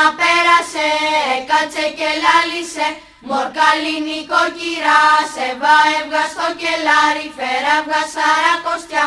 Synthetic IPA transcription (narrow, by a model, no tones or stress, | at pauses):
apɛɾaseːkat͡sɛcelalise | moɾkalinikociɾasevaevɣaskoɾcelaɾifeɾavɣasaɾakost̪ʲa